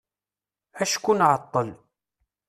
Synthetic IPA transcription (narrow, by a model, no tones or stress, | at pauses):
æʃkunʕɑt̪ˤːəl